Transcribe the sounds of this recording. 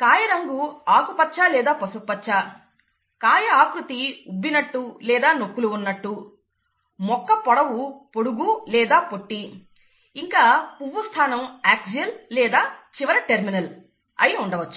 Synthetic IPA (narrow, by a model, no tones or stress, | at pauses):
kaːjɐɾɐŋɡuaːkupɐt͡ʃːaːlɛːd̪aːpɐsuk̚pɐt͡ʃːaː | kaːjɐaːkɾut̪iubːinɐʈːulɛːd̪aːnokːuluːnːɐʈːu | mɔkːɐpɔɽɐwupoɽuɡulɛːd̪aːpo̞ʈːi | iŋkaːpuʋːust̪ʰaːnɐmaːk̚sijɐllɛːd̪aːt͡ʃiʋɐɾɐʈeɾminɐl | ɐ̰jɐuɳɖɐʋɐt͡ʃːu̥